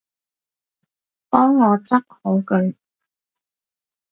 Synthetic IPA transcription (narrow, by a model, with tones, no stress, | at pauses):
t̪ɔː˥ŋːɔː˨˧t͡sɐ˥t̚ho˨˥wkɵ˨˥n